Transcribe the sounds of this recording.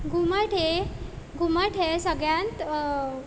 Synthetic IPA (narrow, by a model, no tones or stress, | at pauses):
ɡʱuməʈʰe | ɡʱuməʈʰesəɡɭjãnt̪